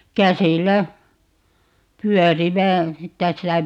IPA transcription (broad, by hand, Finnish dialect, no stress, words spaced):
kæsilˑæ pyœˑriʋæ kæsilːæ